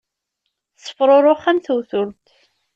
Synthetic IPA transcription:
θsˤːə̥fɾˤoɾˤoχːamθuwθʊɾt̪

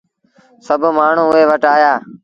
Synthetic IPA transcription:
səbʱmaːɳ̤ũːʊeːʋəʈaːjaː

